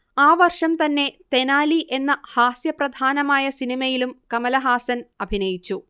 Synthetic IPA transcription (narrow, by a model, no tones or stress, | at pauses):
aːʋɐrʂɐmt̪ɐnːe̞t̪e̞naːliʔe̞nːɐhaːsjɐprɐd̪ʱaːnɐmaːjɐsinimɐjilumkɐmɐlɐɦaːsɐnɐbʱinɐjit͡ɕːu